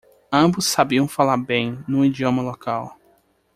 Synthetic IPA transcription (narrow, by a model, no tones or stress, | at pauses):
ɐ̃bʊsːabiɐ̃w̃falaɾbẽj̃nũid͡ʒiõmɐlokaw